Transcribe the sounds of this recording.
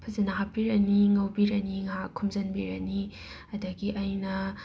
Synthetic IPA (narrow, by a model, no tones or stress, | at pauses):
pʰɐzɐnaɦapiɾɐniŋɐwbiɾɐniŋakʰumzɐnbiɾɐni | ɐdɐɡiʔɐjnɐ